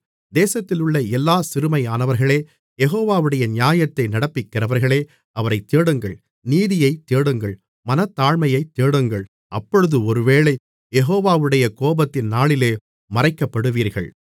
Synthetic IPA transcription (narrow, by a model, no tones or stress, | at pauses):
d̪eːsɐt̪ːɪlɯɭːɐɛlːaːsɪɾɯmɐjaːnɐʋɐɾɣɐɭeː | jɛɣoːʋaːʋɯɽɐjɐnɪjaːjɐt̪ːɐɪnɐɽɐpːɪkːɪɾɐʋɐɾɣɐɭeː | ɐʋɐɾɐɪt̪ːeːɽɯŋɡɐɭ | niːðɪjɐɪt̪ːeːɽɯŋɡɐɭ | mɐnɐt̪ːaːɻmɐjɐɪt̪ːeːɽɯŋɡɐɭ | ʔɐpːɔɻɯðɯɔɾɯʋeːɭɐɪ | jɛɦoːʋaːʋɯɽɐjɐkoːbɐt̪ːɪnnaːɭɪleː | mɐrɐɪkːɐpːɐɽɯʋiːɾɣɐ̰ɭ